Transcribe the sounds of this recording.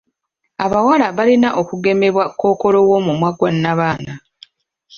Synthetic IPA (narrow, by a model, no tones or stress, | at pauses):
aβawalaβalinaʔo̞kuɡe̞me̞βwakːo̞ːko̞lo̞wo̞mumwaɡwanːaβaːna